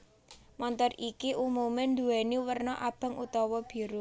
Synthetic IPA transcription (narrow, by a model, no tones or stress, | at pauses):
mɔnt̪ɔrikiʔumumɪnd̪uɛniwərnɔʔab̥ä̤ŋut̪ɔwɔb̥i̤ɾu